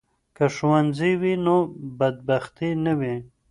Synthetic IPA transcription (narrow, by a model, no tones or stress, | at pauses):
kaʂwanziwinobad̪̚baxt̪inəwi